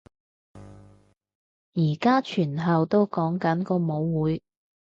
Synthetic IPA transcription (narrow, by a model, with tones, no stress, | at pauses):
jiː˨˩kaː˥t͡ʃʰyː˨˩nɦɐ˨wt̪o˥wkɔː˨˥ŋkɐ˨˥nkɔː˧mo˨˥wwuː˨˥j